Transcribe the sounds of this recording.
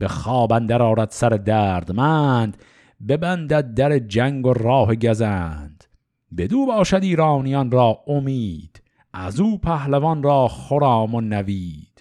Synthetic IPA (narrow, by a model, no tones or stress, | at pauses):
b̥eχɒːbænd̪æɾɒːɾæd̪sæɾed̪æːɾd̪mænd̪ | bebænd̪æd̪̚d̪æɾed͡ʒæŋɡorɒːɦeɡæzænd̪̥ | be̞d̪uːbɒːʃæd̪iːɾɑːnijɒnɾɒːʔomiːd̪̥ | ʔæzuːpʰæhlevɒnrɒːχoɾɑːmonæviːd̪̥